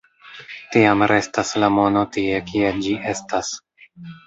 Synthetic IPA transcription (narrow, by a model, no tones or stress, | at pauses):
tiamɾe̞staslamo̞no̞tie̞kied͡ʒiʔe̞stas